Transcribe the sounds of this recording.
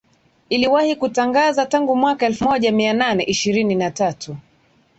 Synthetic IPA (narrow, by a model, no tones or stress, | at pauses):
iliwahikutaŋɡazataŋɡumwakaɛlfumɔʄamiananɛʔiʃiɾininatatʰu